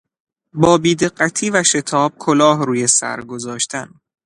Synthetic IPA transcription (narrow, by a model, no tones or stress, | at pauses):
bɒːbiːd̪e̞ɢːæt̪ʰiːvæʃe̞t̪ʰɒːb̥̚kʰolɒːhɾuːje̞sæ̰ɾɡo̞zɒːʃt̪ʰæn